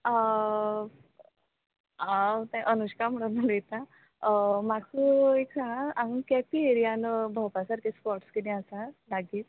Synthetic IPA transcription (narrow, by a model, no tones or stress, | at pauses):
ə | ɦãt̪ɛ̃ʔənuɕkam̤əɽənalet̪ã | makueksaɽ̃aaŋkɛpieɾijanəbʱəpasaɾkespɔɾʈskit̪ɛ̃asalaɡiːt̪